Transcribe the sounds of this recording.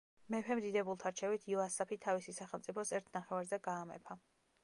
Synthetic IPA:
mɛpʰɛmd̪id̪ɛbulˠt̪ʰaɾt͡ʃʰɛvit̪ʰiɔasapʰit̪ʰːavisisaχɛlˠt̪sʼipʰɔsɛɾt̪ʰnaχɛvaɾzɛɡaːmɛ̰pʰa

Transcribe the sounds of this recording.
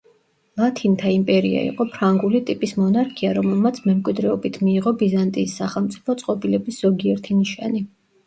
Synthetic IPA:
lˠat̪ʰint̪ʰaimpʼɛɾia̰ḭqʼɔpʰɾaŋɡulit̪ʼipʼismɔnaɾkʰiaɾɔmɛlˠmat̪sʰmɛmkʼwid̪ɾɛɔbit̪ʰmiːʁɔbizant̪ʼiːsːaχɛlˠmt̪sʼi̥pʰɔt̪sʼqʼɔbilɛbisz̥ɔɡiɛɾt̪ʰiniʃa̰ni

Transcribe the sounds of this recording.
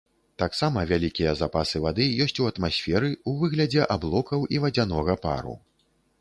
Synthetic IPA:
t̪aksamɐvʲalʲikʲijɐzapasɨvad̪ɨjɔsʲt͡sʲuɐt̪masʲfʲɛɾɨuvɨɣlʲɐd͡zʲɛʔablˠɔkɐwivɐd͡zʲan̪ɔɣɐpa̰ɾṵ

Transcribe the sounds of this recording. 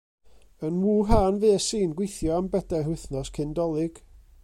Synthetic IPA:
ənwuːɦaːnveːsiːnɡwejθjɔambɛdɛrwɪθnɔskʰɪndɔlˠɪɡ̥

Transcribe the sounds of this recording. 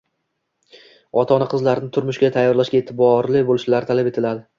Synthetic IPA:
ɒt̪ʰɒnɪqʰɨzlaɾɪnɪt̪ʰʊɾmʊʃɡʲat̪ʰajːɒɾlaʃɡʲaet̪ʰɪbɒɾlɪbolɪʃlaɾt̪ʰalape̞t̪ʰɪlad̪ɪ

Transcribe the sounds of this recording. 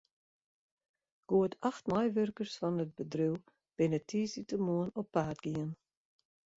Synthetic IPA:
ɡ̥uətʰaxtmajvørkəɹsfɔnət̚bədɾyw | b̥ɪnətʰːiːsitəmuənɔpːaːdɡ̥iən

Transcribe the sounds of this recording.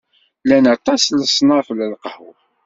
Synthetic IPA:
lænɑt̪ˤɑsləsˤnɑʁfləlqhʊ̰ɾ

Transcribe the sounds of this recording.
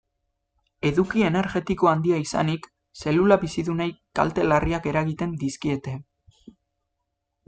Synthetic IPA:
e̞ðukie̞ne̞ɾɣe̞t̪iko̞and̪iaisa̰nik | se̞lulaβisiðunajka̰lt̪e̞lariake̞ɾaɣit̪e̞nd̪iskie̞t̪e̞

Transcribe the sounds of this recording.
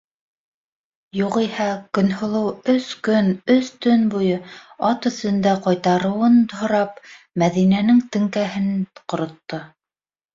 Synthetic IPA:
juqihækɵ̆nhŏlˠɤwɵskɵnɵst̪ɵnbujɤɑt̪ɵ̆θɵ̆nd̪æqɑjt̪ɑɾɤ̆wɤnt̪hŏɾɑp̚ | mæðinænɘŋt̪ɘ̆ŋkæɦɘ̆nqŏɾŏt̪ːɤ

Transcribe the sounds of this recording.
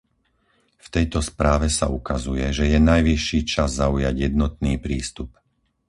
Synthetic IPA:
ft̪ɛjt̪ɔspɾaːʋɛsa̰ukazujɛʒɛjɛnajʋiʃːiːt͡ʃazːaujaɟɪjɛd̪̚nɔt̪̚niːpɾiːst̪up

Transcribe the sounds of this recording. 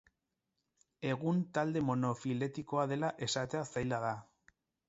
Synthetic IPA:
e̞ɣunt̪ald̪e̞mo̞nofile̞t̪iko̞að̞e̞laʔe̞sat̪e̞asajlaða

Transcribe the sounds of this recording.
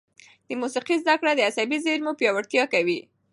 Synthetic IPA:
d̪̥əmusiqizd̪akɽad̪əasabizeɾmupjɑwaɽt̪jɑkawi

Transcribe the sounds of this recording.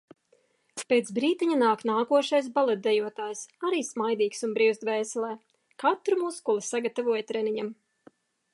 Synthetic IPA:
peːt̪sbɾiːt̪iɲanaːknaːkuɔʃajs̬balˠɛt̪̚d̪ɛjuɔt̪aːjsaɾiːsmajd̪iːksunbɾiwst̪veːsɛlˠɛː | kat̪ɾumuːskulˠisaɡat̪avuɔjt̪ɾɛniɲam

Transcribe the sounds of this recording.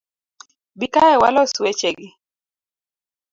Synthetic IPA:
bikaɛwa̰lɔswet͡ʃeɡɪ

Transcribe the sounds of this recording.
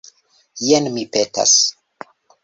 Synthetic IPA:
jenmipeta̰s

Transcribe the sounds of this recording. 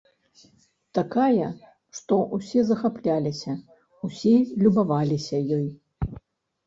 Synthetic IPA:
t̪akajɐ | ʂt̪ɔʔusʲɛzɐxaplʲalʲisʲɐ | usʲilʲubavalʲisʲɐjɔj

